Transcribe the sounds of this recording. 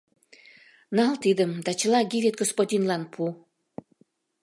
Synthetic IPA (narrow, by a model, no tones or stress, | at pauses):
nɑlt̪id̪əmd̪ɑt͡ɕəlɑɡivet̪̚ɡospodʲinlɑnpʰu